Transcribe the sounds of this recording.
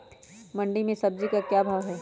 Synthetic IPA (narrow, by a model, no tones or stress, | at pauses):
mɐ̃ɳɖimẽsɐb̚d͡ʒikakjaːbʱaːɡɦɛː